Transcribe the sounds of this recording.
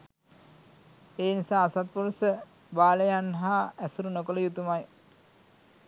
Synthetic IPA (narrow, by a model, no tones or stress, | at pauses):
eːnisaːsat̪̚puɾusə | baːləjanɦaæsuɾunokoləjut̪umaj